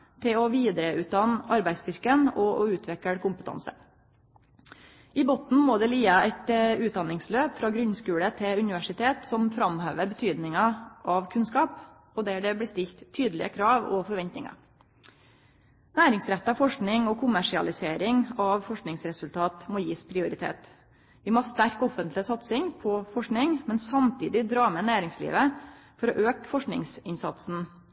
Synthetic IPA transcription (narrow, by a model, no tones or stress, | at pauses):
t̪ʰɪlɔʋiːd̪ɾəʉːt̪̚d̪ɑnːɑɾbæɪst̪ʏɾkənɔʔɔʉːt̪ʰʋɛkəɽkʊmpə̥t̪ʰɑ̰nsə̰ | ɪbɔt̪n̩moːd̪ɛliːəɛt̪ʉːt̪̚d̪ɑnɪŋsløːpfɾɑːɡɾʉnskʉːɽət̪ʰɪʉnɪʋæʂɪt̪ʰeːt̪sɔmfɾɑmhøːʋəɾbət̪ʰyːd̪nɪŋɑʔɑʋkʰʉnskɑːp | ɔd̪æɖɛbliːst̪ɪlt̪ʰːyːd̪əlɪ̰əkʰɾɑːʋɔ̰fɔɾʋɛnt̪nɪŋɑ̰ | næːɾɪŋsɾɛt̪ːɑfɔʂknɪŋɔkʰʊmæʂɪɑ̰lɪseːɾɪŋɑʋfɔʂknɪŋsɾɛsʉlt̪ʰɑːt̪moːjiːspʰɾɪʊɾɪt̪ʰḛːt̪ | ʋɪmɔɑst̪æɾkɔfənt̪lɪsɑt̪sɪŋpʰɔfɔʂknɪŋmɛnsɑmt̪ʰiːd̪ɪd̪ɾɑːmɛnæːɾɪŋslḭːʋəfɔɾɔʔøːkfɔʂknɪ̰ŋsɪnsɑt̪sn̩